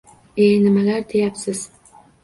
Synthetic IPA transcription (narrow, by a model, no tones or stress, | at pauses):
ejnɪmalaɾt̪ʰejapsɪz̥